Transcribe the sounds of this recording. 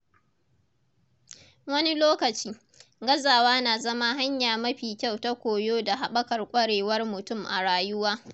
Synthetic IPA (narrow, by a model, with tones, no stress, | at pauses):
wɐ˦ni˦loː˦kɐ˨t͡ʃiː˦ | ɡɐ˦zaː˨waː˦naː˨zɐ˦ma˦ɦa˦ɲjaː˨mɐ˦ɸiː˨kʲa˦˨wta˦kʷoː˨joː˦da˨ɦa˨ɓɐ˦kɐ˨rkʷʼɐ˦ɽeː˨wɐ˦rmʊ˨tʊ˦˨mʔa̰˨ɽaː˨jʊ˦waː˦